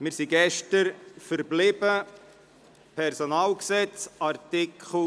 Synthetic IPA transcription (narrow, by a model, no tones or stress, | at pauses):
mɪɾsiɡɛʃtəɾfəɾblɪbə | pʰɛɾsonɑːlksɛt͡sɑrtɪkʰχl̩